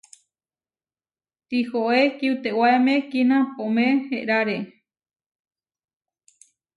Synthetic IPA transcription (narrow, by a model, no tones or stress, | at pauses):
t̪ihoʔekiut̪ewaemẽkinãpomẽheʔɾaɾe